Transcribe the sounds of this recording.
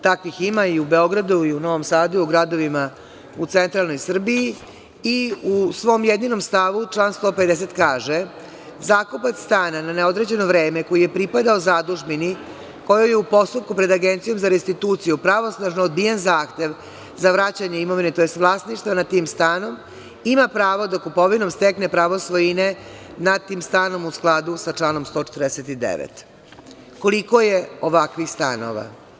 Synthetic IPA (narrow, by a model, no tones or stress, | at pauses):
t̪akʋiximaiube̞o̞ɡɾad̪uiuno̞ʋo̞msaːd̪uuɡɾad̪o̞ʋima | ut̪sent̪ɾalno̞jsr̩biji | iusʋo̞ːmjed̪nino̞mst̪aʋut͡ʂlˠaːnst̪o̞ːped̪es̬e̞t̪kaːʒe̞ | zaːkupat̪sst̪aːnananeo̞d̪ɾe̞d͡ʑe̞no̞vɾe̞ːmeko̞jije̞pɾipad̪aozad̪uʒmini | ko̞jojeupo̞st̪up̚kupɾe̞d̪aɡe̞nt̪sijo̞mzaɾest̪it̪uːt̪sijupɾaʋo̞snaʒnoːd̪̚bijenzaːxt̪e̞ʋ | zaʋɾat͡ɕaɲeimo̞ʋine̞t̪o̞jest̪ʋlˠaːsniʃt̪vanat̪iːmst̪aːno̞m | imapɾaːʋod̪akupo̞ʋino̞mst̪ekne̞pɾaʋosʋo̞jinenat̪ːiːmst̪aːno̞musklˠad̪usat͡ʂlaːno̞mst̪o̞t͡ʃet̪ɾd̪eset̪id̪ḛʋḛt̪ | ko̞liko̞je̞o̞ʋakʋixst̪a̰no̰ʋa̰